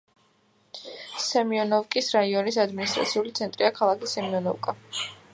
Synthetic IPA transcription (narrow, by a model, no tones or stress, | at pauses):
sɛmiɔnɔvkʼisɾaiɔnisad̪minist̪ʼɾa̰t̪sʰiulit̪sʰɛnt̪ʼɾiakʰalˠakisɛmiɔnɔvkʼa